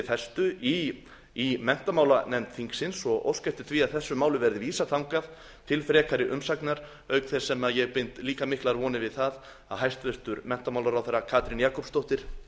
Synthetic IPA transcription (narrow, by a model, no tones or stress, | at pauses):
θɛst̪ʏi | imɛn̥t̪amaːwlanɛmt̪θiŋksɪnsɔɣo̰wscajft̪ɪ̥t̪ʰviaðθɛsːʏmaːwlʏvɛɾðɪviːsat̪ʰawŋkað | t̪ʰɪlfɾɛːkʰaɾɪʔʏmsaknaɾ̥ | œɥkθɛsɛmaðjɛɣpɪn̥t̪liːkamɪhklaɾvɔːnɪvɪðθað | a̰ðhɦajst̪vɪst̪ʏɾmɛn̥t̪amawlaɾawθaɾakʰaːt̪ɾinjaːkɔpst̪owht̪ɪɾ̥